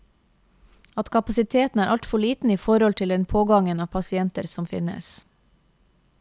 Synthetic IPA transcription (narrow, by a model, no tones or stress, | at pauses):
ɑt̪kʰɑpɑsɪt̪ʰeːt̪n̩æːɾʔɑlt̪fɔɭiːt̪n̩iːfɔɾɔlt̪ʰɪld̪ɛnpʰoːɡɑŋənɑːʋpʰɑsɪɛnt̪əɾsɔmfɪ̰nə̰s